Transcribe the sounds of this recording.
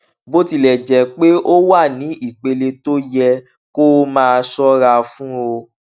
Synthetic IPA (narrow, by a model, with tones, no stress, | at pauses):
bo˦ti˦˨lɛ˨d͡ʒɛ˨˦k͡pe˦ʔo˦wa˦˨nĩ˨˦i˦˨k͡pe˧le˧to˦jɛ˧ | ko˦mãː˦˧sɔ˦ɾa˧fũ˦o˧